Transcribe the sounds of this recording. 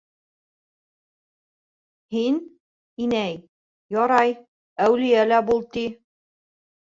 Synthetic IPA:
hin | inæj | jɒɾɑj | æwlijælæbulˠt̪i

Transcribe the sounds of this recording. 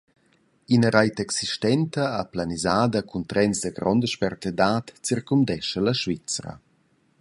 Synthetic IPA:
inəɾajtɛksiʃtɛntəaplanizaːdəkunt̪ɾɛnzdəɡɾɔndəʃpɛrt̪edatt͡sirkumdɛʃəlɐʃvit͡sɾə̰

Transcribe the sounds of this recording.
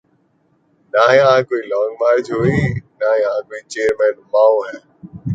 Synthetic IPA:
naːjəɦãkoːiːlɔ̃ːŋɡmaːɾd͡ʒɦoːiːnaːjɦãːkoːiːt͡ʃeːəɾmɛ̃ːnmaːõɦɛː

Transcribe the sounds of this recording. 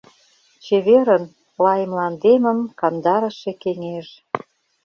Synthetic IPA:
t͡ɕeβeɾən | lɑjə̆mlɑnd̪emə̆mkɑnd̪ɑɾə̆ʃekeŋeʒ

